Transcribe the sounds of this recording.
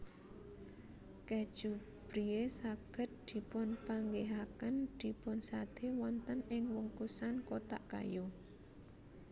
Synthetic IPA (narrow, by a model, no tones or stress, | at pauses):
kɛd̥ʒ̥u | b̥ɾiesaɡ̥ə̤t̪̚d̪̥i̤pʊnpaŋɡeɦakənd̪̥i̤pʊnsad̪̥ewɔnt̪ənɪŋwɔŋkusankot̪a̰ʔka̰jo